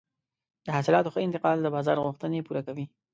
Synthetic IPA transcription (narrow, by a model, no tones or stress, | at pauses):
d̪əhasɪlɑt̪oxəɪnt̪ɪqɑld̪əbɑzɑɾɣuxt̪ənepuɾakawi